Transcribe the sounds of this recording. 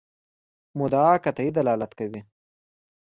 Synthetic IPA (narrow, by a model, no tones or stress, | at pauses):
mʊd̪ɑːkat̪aid̪alɑːlat̪kawi